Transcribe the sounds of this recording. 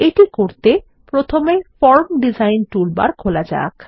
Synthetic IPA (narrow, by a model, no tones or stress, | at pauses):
eʈikoɾt̪e | pɾot̪ʰomefɔɾmɖizajnʈulba̰ɾkʰolad͡ʑa̰k